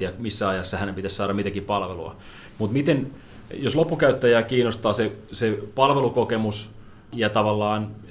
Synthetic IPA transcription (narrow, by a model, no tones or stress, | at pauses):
iæmisːæɑjɑsːɑhænempit̪æssɑːɾɑmit̪ækippɑlʋelṵɑ̰ | mut̪mit̪en | joslopːukæyt̪ːæjæːkiːnost̪ɑːsesepɑlʋelukokemus | jɑt̪ɑʋɑlːɑːn